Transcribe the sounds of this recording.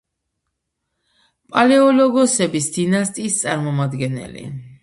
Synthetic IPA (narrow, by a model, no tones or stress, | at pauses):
pʼalɛɔlɔɡɔsɛbisd̪inast̪ʼiːst̪sʼaɾmɔmad̪ɡɛnɛ̰lḭ